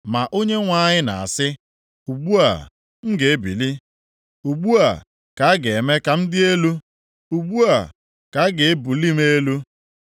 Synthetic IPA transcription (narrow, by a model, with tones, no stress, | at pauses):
ma˨ʔo˦ɲe˦ŋʷa˦˨ɲɪ˦na̰˨a˨sɪ˦ | u˨ɡ͡bu˦a̰˨ | ŋ̩˦ɡe˨e˦bḭ˨li˦ | u˨ɡ͡bu˦a̰˨ | ka˨˦ɡe˨e˨me˦ka˨m̩˦dɪ˦e˦lu˦ | u˨ɡ͡bu˦a˨ | ka˨˦ɡe˨e˦bu˨li˦m˦e˦lu˦